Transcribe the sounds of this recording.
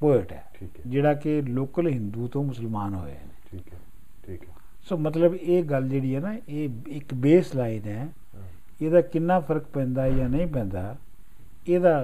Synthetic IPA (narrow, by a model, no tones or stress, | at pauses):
poːɪʈɛ̰ːʈʰikd͡ʒeːɽaːkɪloːkəlɦɪ̃nd̪uːt̪õːmʊsəlmaːnɦo̰ːḛneːikːʰ | i | soːmət̪ləbeːɡəld͡ʒeːɽiːɦɛːnaːeːɪkbeːslaːinɛː | eːd̪aːkɪnːaːpʰəɾəkpɛ̃ːnd̪aːjaːnəĩːpɛ̃ːnd̪aː | eːd̪aː